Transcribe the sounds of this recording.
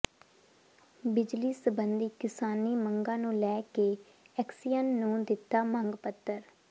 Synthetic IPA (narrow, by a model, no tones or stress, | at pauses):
bɪd͡ʒliːsəbənd̪iːkɪsaːniːməŋɡãːnũːlɛːkeː | ɛksijənːũːd̪ɪt̪ːaːmə̃ŋɡpət̪ːəɾ